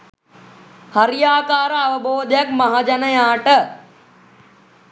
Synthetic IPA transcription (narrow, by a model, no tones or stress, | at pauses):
hɐɾjaːkaːɾɐʋəbʱoːd̪jɐkmɐɦad͡ʒɐnəjãːʈə